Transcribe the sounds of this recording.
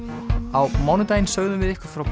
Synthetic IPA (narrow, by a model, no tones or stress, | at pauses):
awmɔwnʏt̪ajnsœːɣðʏmvɪðɪhkaɾ̥fɾawp